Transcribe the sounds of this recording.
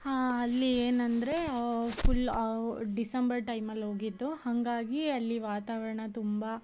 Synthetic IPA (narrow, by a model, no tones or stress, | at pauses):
ɦaːɐlːieːnɐnd̪ɐɾe̞pʰul | ɖisɐmbɐɾʈɐjmɐlːɦo̞ːɡid̪ːuhɐŋɡaːɡiɐlːiʋaːt̪aːʋɐɾɐɳɐt̪umbɐ